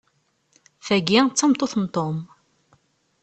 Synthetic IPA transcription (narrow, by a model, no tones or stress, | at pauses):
θæɡit͡sːɑmt̪ˤːoθnt̪ˤom